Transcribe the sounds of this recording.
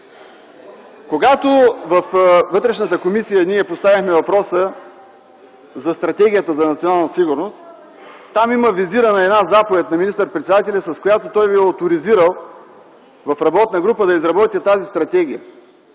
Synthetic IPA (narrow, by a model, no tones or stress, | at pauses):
koɡat̪ovɐfvɤt̪ɾɛʃnət̪əkomisijəniɛpost̪avʲixmɛvɐpɾɔsə | zɐst̪ɾɐt̪ɛɡ̟ʲijət̪əzɐnɐt̪sionalˠnɐsiɡʊɾnost̪ | t̪ːamiməviziɾənəɛd̪nazapovɛt̪̚nɐminist̪əɾpɾɛt̪sɛd̪at̪ɛlʲɐsɐskojat̪ot̪ɔjviɛot̪oɾiziɾəlˠ | vɐfɾɐbɔt̪nəɡɾupəd̪ɐizɾɐbɔt̪ʲiət̪azist̪ɾɐt̪ɛɡ̟ʲijə